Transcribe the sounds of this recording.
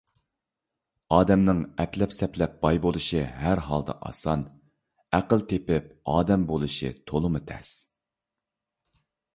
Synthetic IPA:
ɑːd̪ɛmnɪŋɛplɛpsɛplɛp̚b̥ɑjbolˠɨʃiɦæɾɦɑ̰lˠd̪ɑ̰ʔɑ̰sɑn | æqəlˠt̪ʰepɪp̚ɑːd̪ɛmbolˠɨʃɨ̰t̪ʰolˠɨmɨt̪ʰɛ̰s

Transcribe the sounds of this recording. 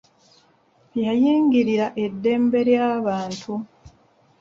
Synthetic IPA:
jajiːŋɡiɾiɾaʔe̞dːe̞ːmbe̞ɾjaːβaːntʰu

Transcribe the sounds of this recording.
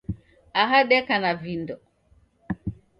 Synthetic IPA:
aɦaɗɛkanavindɔ

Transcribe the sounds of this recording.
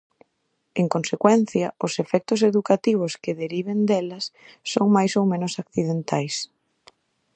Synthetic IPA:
eŋkonsekwɛnθjɐʊsefɛk̚t̪ʊseðukat̪iβ̞ʊskɪðeɾiβend̪ɛlɐsː | oŋmajsowmẽnʊsakθiðent̪ajs

